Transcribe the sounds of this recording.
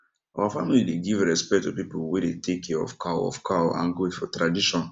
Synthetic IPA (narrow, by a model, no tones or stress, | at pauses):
awafamilideɡivɹɛspɛktupipol̩wedetʰekʰɛɔ̰fkʰaɔ̰fkʰaã̰nɡoefɔtɹadiʃɔ̃n